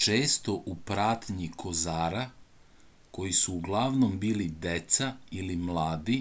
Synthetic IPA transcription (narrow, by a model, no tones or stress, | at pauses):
t͡ʃe̞ːst̪o̞ʔupɾaːt̪ɲikʰo̞zaːɾa | ko̞jisuːɡlˠaʋno̞mbiːlid̪et̪sailimlˠaːd̪i